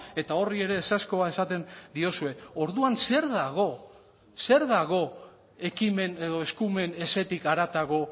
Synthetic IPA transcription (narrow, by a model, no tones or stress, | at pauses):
e̞t̪ao̞rie̞ɾe̞ːsasko̞ae̞sat̪e̞nd̪io̞sue̞o̞ɾðuanse̞ɾðaɣ̞o̞ | se̞ɾðaɣ̞o̞ | e̞kime̞ne̞ðo̞e̞skume̞ne̞se̞t̪ikaɾat̪aɣo̞